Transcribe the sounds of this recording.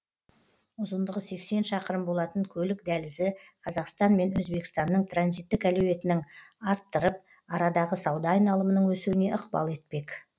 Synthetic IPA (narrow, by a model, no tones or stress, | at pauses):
ʊzənd̪əʁəse̞kse̞nʃɑqəɾəmbo̞lˠɑt̪əɴkʲʰɵlɪkd̪ælɪsɪqʰɑzɑqst̪ɑnme̞nɵzbe̞kɪ̥st̪ɑnːəɴt̪ʰranzijt̪ːɪkælewe̞t̪ɪnɪŋɑɾt̪ːəɾəp̚ | ɑɾɑd̪ɑʁəsɑwd̪ɑːjnɑlˠəmənəɴwɵsuwɪne̞ʔəqbɑ̰lˠe̞t̪̚pe̞k